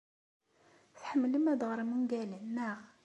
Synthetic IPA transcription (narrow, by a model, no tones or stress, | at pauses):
θħəmːləmæd̪ʁəɾˤmunɡælənːæʁ